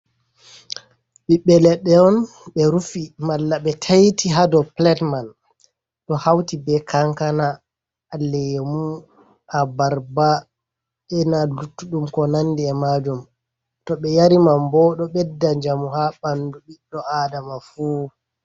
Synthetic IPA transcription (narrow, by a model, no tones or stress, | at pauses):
ɓiɓːɛlɛɗːɛɔn | ɓɛɾufimalːaɓɛtʰajtʰiɦadɔplɛtman | ɗɔhawtibɛkʰaŋkanaː | lːɛjemu | abaɾba | ɓɛnalutːuɗumkɔnandiɛmad͡ʒum | tɔɓɛjaɾimambɔɗɔɓɛdːad͡ʒamuɦaɓanduɓiɗːɔʔaːdamafuː